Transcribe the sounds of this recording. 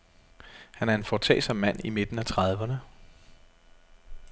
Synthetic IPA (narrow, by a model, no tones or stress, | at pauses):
hænæɐe̝nfɒt͡sʰɛ̰ːsɒ̽mːæn̰ime̝d̥n̩æt͡sʰʁɑðˠʋɐnə